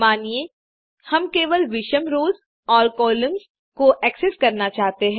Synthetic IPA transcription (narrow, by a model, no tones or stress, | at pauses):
maːnie | hɐmkeːʋəlʋɪʃəmɾoːz | ɔːɾkɔːlɪ̃mz | koʔɛːkseskɐɾnat͡ʃaːɦt̪eɦɛ̃ː